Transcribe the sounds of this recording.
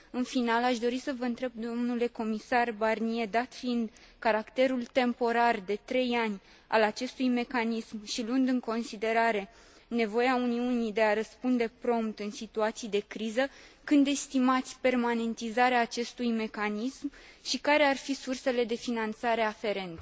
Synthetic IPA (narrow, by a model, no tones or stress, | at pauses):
ɨnfinalaʃd̪o̞ɾisəvəɨnt̪ɾe̞b̚d̪o̞mnule̞ko̞misarbarnie̞d̪at̪fiind̪ | kaɾakt̪e̞ɾult̪e̞mpo̞ɾard̪e̞t̪ɾe̞janʲ | a̰lat͡ʃe̞st̪ujme̞kanismʃiluɨnd̪ɨŋko̞nsid̪e̞ɾaɾe̞ | ne̞vo̞jeauniunijd̪e̞aɾəspund̪e̞pɾo̞mpt̪ɨnsit̪uat̪sijd̪e̞kɾizəkɨnd̪e̞st̪imat̪sʲpe̞rmane̞nt̪izaɾeaːt͡ʃe̞st̪ujme̞kanism | ʃikaɾe̞arfisurse̞le̞d̪e̞finant̪saɾe̞afe̞ɾe̞nt̪e